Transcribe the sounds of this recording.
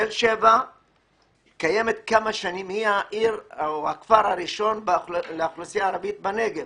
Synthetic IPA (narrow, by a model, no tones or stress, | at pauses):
elʃeva | kaje̞met̪kamaʃanimhiaʔiʁohakfaɾaʁiʃo̞nbleaχlusijaːɾavit̪̚baneɡev